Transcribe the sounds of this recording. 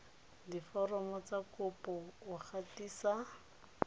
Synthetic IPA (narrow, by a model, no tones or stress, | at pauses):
difɔrɔmɔt͡sakʊpɔʊk͡xʰatiːsa